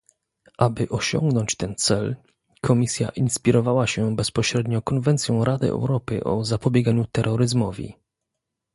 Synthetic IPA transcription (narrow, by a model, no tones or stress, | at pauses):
ʔabɘʔɔɕɔ̰ŋɡnɔɲt͡ɕt̪ɛnt̪sɛl | kʰɔmʲisʲja̰ʔinspʲiɾɔvawaɕɛbɛspɔɕɾɛd̪ɲɔkɔnvɛnt̪sʲjɔ̃w̃ɾad̪ɘ̰ʔɛ̰wɾɔpɘ̰ʔɔ̰zapɔbʲjɛɡaɲut̪ɛɾːɔɾɘzmɔvʲḭ